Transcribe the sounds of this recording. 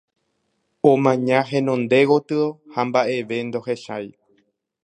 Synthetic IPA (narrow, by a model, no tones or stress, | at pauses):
omãɲãɦẽ̞nõ̞nd̪e̞ɣot̪ɨohambaʔe̞ʋe̞nd̪o̞he̞ʃaj